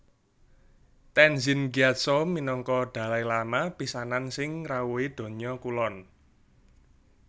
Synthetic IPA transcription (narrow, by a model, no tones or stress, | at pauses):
t̪ɛnzinɡiat̪̚sominɔŋkɔɖ̪̥a̤lajlamapisanansɪŋrawuid̪̥o̤ɲɔkulɔn